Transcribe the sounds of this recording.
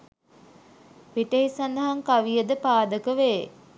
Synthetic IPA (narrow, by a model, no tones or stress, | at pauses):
piʈəɦisand̪ɐɦaŋkaʋijəd̪əpaːd̪əkəʋeː